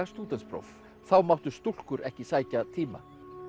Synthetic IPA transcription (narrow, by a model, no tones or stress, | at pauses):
st̪uːt̪ɛnspɾɔ̰wf | θawmawht̪ʏst̪ul̥kʏɾɛhcɪsaːjcat̪ʰiːma̰